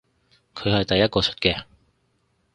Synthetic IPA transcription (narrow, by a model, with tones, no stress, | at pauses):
kʰɵ˨˧ɥhɐ˨jt̪ɐ˨jːɐ˥t̚kɔː˧t͡sʰɵ̥˥t̚kɛː˧